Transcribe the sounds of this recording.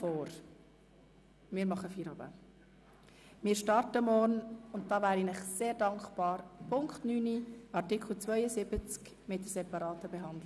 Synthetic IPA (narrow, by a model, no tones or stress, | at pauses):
fɔːɾ | mɪːɾmɑχəfiːɾɑbə̰ | mɪːɾʃtɑɾtəmɔrnʊnt̚d̥ɑːʋæːɾinɪχseːɾdɑŋkpɑːɾpʰʊŋkχtnyːniʔɑɾtɪkχl̩t͡svœʏəsɪbət͡sk | mɪt̚dəsɛpɑɾɑːtəbɛɦɑnd̪lɪ